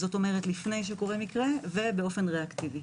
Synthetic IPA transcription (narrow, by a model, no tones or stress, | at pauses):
zo̞to̞meʁetlifne̞jʃ̬eko̞ʁemikʁeve̞be̞o̞fe̞nʁeaktivi